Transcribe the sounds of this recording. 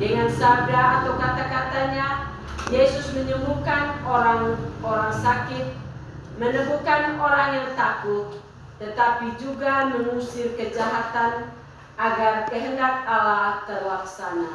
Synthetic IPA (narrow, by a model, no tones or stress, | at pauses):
dəŋansadaːt̪awkat̪akat̪aɲa | jesʊsməɲəmukanoɾaŋoɾaŋsakɪt̪̚ | mənəmukanoɾaŋjaŋt̪akʊt̪̚ː | ət̪apid͡ʒuɡaməmusɪmkəd͡ʒaɦat̪an | aɡarkəɦəndak̚alat̪ərlaksana